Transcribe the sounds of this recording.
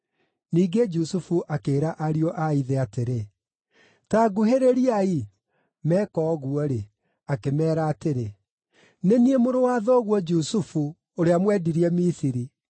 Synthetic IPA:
niːɡed͡ʒusufuʔakeːɾaʔaɾiɔʔaiðɛateɾe | taɡuɦeɾeɾiai | mɛkɔːɣuɔɾe | akemɛːɾaːteɾe | neniemoɾowaːðɔɣwɔd͡ʒusufu | oɾeamwɛdiɾiɛmisiɾi

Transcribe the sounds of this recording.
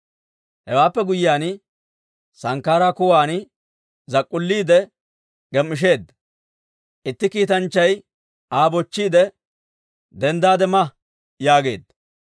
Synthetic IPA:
hɛwaːpːɛɡʊjjaːn | sɐŋkːaːɾaːkʊwaːn | zɐkʼːʊlːiːd̪ɛ | ɡ̥ɛmːɪʃ̬e̞ːd̪ːɐ | ʔɪt̪ːɪkiːt̪ɐnt͡ʃːɐj | aːbɔt͡ʃːiːd̪ɛ | d̪ɛnd̪aːd̪ɛmɐ | jaːɡe̞̰ːd̪ːɐ

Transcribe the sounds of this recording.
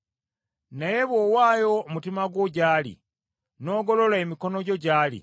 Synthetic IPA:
naje̞βwowaːjo̞mutimaɡwoɟaːlḭ | no̞ːɡo̞lo̞laemiko̞no̞ɟo̞ɟaːlḭ

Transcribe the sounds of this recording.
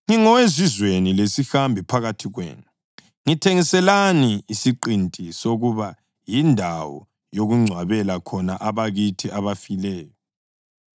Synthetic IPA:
ŋiŋɔwezizwenilesixambʱipʰaɣatʰiɣwḛːnu | ŋitʰeŋisɛlaniːsiǃintʼisoɣuβa | jindʱawɔ̰ | joɣuŋ͡ǀʱwaβɛlakʰɔnaʔaβaɣitʰiʔaβafilɛːjɔ

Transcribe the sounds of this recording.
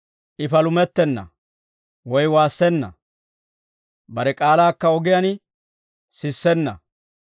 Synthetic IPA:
ʔɪfɐlʊmɛt̪ːɛnːɐ̰ | wɔjwaːsːɛnːɐ̰ | bɐɾɛkʼaːlaːkːɐɔɡɪjɐn | sɪsːɛnːɐ̰

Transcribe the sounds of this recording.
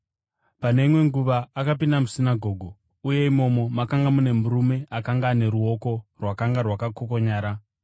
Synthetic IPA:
pane̞imwe̞ŋɡuʋaːkapindamusinaɡʱo̞ːɡʱo | uje̞imo̞mo̞makaŋɡamune̞muɾume̞ʔakaŋɡaːne̞ɾuo̞ko̞rwakaŋɡarwakakoko̞ɲaːɾa

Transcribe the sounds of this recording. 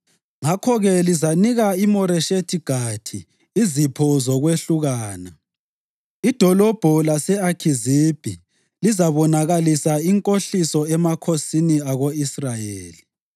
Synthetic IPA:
ŋakʰɔɣɛlizaniɣaimɔɾɛʃetʰiɡ̥ʱatʰiː | zipʰɔzɔɣweɬuɣaːna | id̥ʱɔlɔb̥ʱɔlasɛakʰizib̥ʱi | lizaβɔnaɣalisaiŋkʼoɬisɔɛmakʰosiniaɣoisrajeːli

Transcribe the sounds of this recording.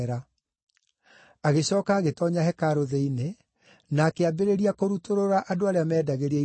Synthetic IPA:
ɾa | aɣeɕɔːkaːɣetɔɲaɦɛkaɾoðeine | naːkeabeɾeɾiakoɾutoɾoɾaʔadoaɾeamɛːdaɣeɾia

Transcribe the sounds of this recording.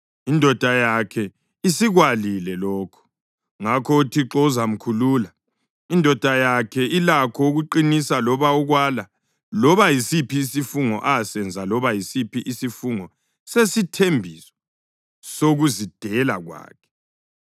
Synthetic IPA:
indʱɔd̥ʱajakʰɛ | isiɣwalilɛlɔːkʰɔ̥ | ŋakʰɔtʰiǁɔuzam̩kʰuluːla | indʱɔd̥ʱajakʰɛilakʰɔuɣuǃinisalɔβauɣwala | lɔβajisipʰiːsifuŋɔ̰ʔasɛnd͡zʱalɔβajisipʰiʔisifuŋɔ | sesitʰembʱiswɔ̥ | soɣuzid̥ʱɛla̰ɣwa̰ːkʰɛ̥

